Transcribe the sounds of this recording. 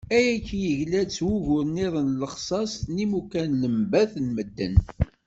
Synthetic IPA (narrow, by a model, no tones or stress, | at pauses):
æjæçjəʝlæt͡sːwuʝʊɾniðˤənləχsˤɑsˤnimukænləmbæθnməd̪ːə̰n